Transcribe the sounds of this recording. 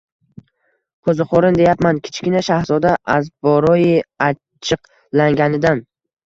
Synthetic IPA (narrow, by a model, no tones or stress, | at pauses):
qʰɵzɪqʰɒɾɪnd̪ejapmankʲʰɪ̥t͡ʃkʲɪnaʃahzɒd̪aʔazbɒɾɒjɪa | t͡ʃʰɨq | laŋɡʲanɪd̪an